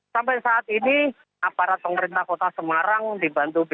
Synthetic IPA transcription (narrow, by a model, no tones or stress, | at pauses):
sampajsaːt̪ini | apaɾat̪̚pəməɾint̪ahkot̪asəmaɾaŋdibant̪ub